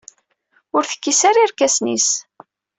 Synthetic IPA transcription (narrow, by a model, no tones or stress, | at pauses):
ʊɾθə̥kːisaɾiɾkæsnḭs